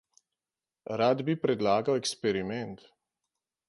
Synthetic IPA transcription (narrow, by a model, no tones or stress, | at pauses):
ɾad̪bipɾɛd̪laːɡawɛkspɛɾimɛnt̪